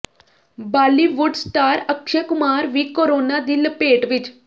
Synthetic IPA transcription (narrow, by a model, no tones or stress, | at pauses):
baːliʋuɖsʈaːɾəkʃəkʊmaːɾʋikoɾoːnad̪ilpeːʈʋɪt͡ʃ